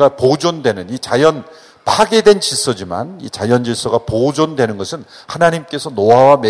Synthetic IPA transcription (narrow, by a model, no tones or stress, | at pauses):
ɡapod͡ʑondwe̞nɯnit͡ɕajʌn | pʰaɡe̞dwe̞nt͡ɕis͈ʌd͡ʑima̰nḭt͡ɕajʌnd͡ʑiɭs͈ʌɡapod͡ʑondwe̞nɯnɡʌsʰɯnhanaɲimk͈e̞sʰʌnoawame